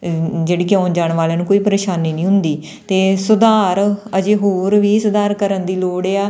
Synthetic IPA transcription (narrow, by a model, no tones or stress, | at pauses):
d͡ʒeːɽiːkeãːnd͡ʒaːɳʋaːleaːnũːkoːiːpəɾeːʃaːniːnĩːɦʊnd̪iː | t̪eːsʊd̪aːɾəd͡ʒeːɦoːɾʋiːsʊd̪aːɾkəɾənd̪iːloːɽeːaː